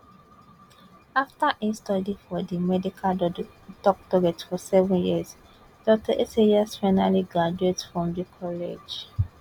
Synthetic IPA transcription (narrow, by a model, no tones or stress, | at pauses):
aftaʔistɔdifɔdimɛdikʰal | tɔk̚tɔɡɛtfɔsɛvɔ̃njiz | d̥ɔtaʔesejasfaɪnaliɡɹad͡ʒuetfɹɔ̃mdikʰɔlḛd͡ʒ